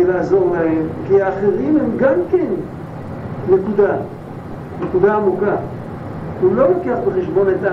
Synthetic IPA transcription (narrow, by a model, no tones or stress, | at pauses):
elaːzoʁlaemkiaːχeʁimhemɡamkenː | ekud̪a | nekud̪aːmuka | hulo̞mokeaχbeχeʃbo̞net̪a